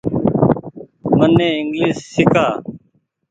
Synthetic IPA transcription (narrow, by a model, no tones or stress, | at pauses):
mənːɛ̃ːɪŋɡliːsːɪkaː